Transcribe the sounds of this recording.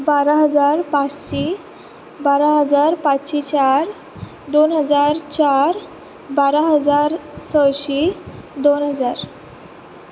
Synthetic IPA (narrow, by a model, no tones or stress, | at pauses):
baɾaɦəd͡zaɾpat͡sɕi | baɾaɦəd͡zaɾpat͡sːɕit͡ɕaɾ | d̪onɦəd͡zaɾt͡ɕaɾ | baɾaɦəd͡zaɾsəwɕid̪onɦəd͡zaɾ